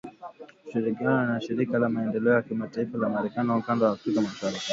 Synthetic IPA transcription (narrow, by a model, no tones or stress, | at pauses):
ʃiɾikianɔnaʃiɾikalamaɛndɛlɛɔjakimataifalamaɾɛkaniwaukandawaːfɾikamaʃaɾafi